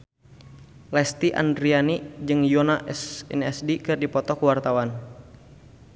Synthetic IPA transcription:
lɛst̪iʔa̰ndɾianid͡ʒɨŋjɔnaʔɛsɛ̰nɛsdikɨrdipɔt̪ɔkuwart̪awan

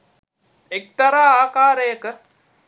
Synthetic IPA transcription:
ek̚t̪ɐɾaːaːkaːɾeːk

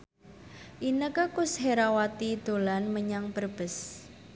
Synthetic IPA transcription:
ʔinəkəkusɦeɾawat̪id̪̥o̤lanməɲaŋpərb̥əs

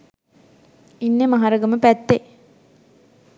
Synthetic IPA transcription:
inːemɐɦaɾɐɡəməpæt̪ːe

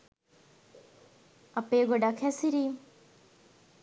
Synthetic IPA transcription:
ɐpeːɡoɖakʰɛsiɾiːm

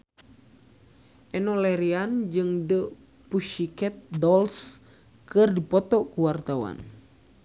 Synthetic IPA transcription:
ʔɛnɔlɛɾiand͡ʒɨŋdə | puʃikɛt̪̚dɔls | kɨrdipɔt̪ɔkuwart̪awa̰n

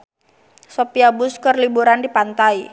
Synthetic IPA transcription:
sopiabʊskərlibuɾandipant̪ai

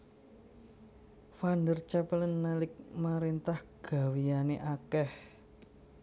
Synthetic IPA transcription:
fandərt͡ʃɛpələnːalɪk̚maɾent̪ahɡ̥a̤wianeʔakɛh

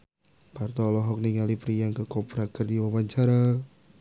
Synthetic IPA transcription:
part̪ɔlɔɦɔk̚niŋalipɾijaŋkəkɔpɾakərdiwawaɲt͡ʃaɾa

